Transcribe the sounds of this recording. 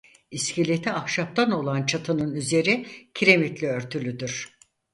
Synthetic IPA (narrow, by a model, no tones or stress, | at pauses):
iscʰilʲet̪ʰiakʃap̚t̪ʰano̞lˠant͡ʃʰat̪ʰɯnɯnyze̞ɾicʰiɾe̞mit̪lʲiøɾt̪ʰylʲyd̪yɾ̥